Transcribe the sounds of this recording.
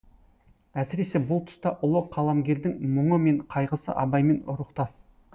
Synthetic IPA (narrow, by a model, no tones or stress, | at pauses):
æsɪɾe̞se̞bʊlˠt̪ʰʊ̥st̪ɑʔʊlˠəqʰːɑlˠɑmɡʲe̞ɾd̪ɪŋmʊɴəme̞ɴqʰɑjʁəsə̰ʔɑbɑjme̞nʊ̰ɾəqt̪ɑs